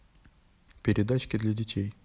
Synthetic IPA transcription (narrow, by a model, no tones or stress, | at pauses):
pʲɪɾʲɪd̪at͡ɕkʲɪd̪lʲɐdʲɪtʲʰej